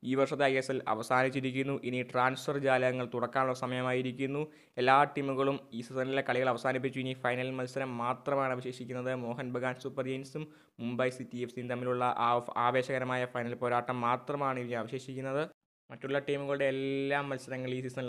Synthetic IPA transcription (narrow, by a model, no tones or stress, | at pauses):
iːʋɐrʂɐt̪ːekeːsɐlɐ̰ʋɐsaːnit͡ɕːiɾikʲːunːuʔiniʈraːnsfɐrd͡ʑaːlɐɣɐŋːɐɭt̪uɽɐkːaːnuɭːɐsɐmɐjɐmaːjiɾikʲːunːu | e̞lːaːʈiːmːuɣɐɭumiːsisɐnilekɐɭiɣɐɭɐʋɐsaːnip̬ːit͡ɕːuinifɐjnɐlilmɐlsɐɾɐmːaːt̪rɐmaːɳɐʋiɕe̞ːɕikʲːunːɐðɨmo̞ːɦɐnbɐɡaːnsuːpːɐrd͡ʑejnsum | mumbɐjsitːiefsint̪ɐmːiluɭːɐʔaːʋe̞ːɕɐɣɐɾɐmaːjɐfɐjnɐlpo̞ːɾaːʈːɐmːaːt̪rɐmaːɳɨiniɐʋɐɕe̞ːɕikʲːunːɐðɨ | mɐtːuɭːɐʈiːmuɣɐɭuɽe̞ːlːaːmːɐlsɐɾɐŋːɐɭiːsisɐn